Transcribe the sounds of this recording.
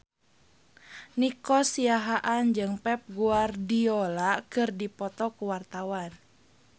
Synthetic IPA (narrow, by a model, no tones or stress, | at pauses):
nikɔsiaɦaʔand͡ʒɨŋpɛp̚ɡuardiɔlakɨrdipɔt̪ɔkuwart̪awan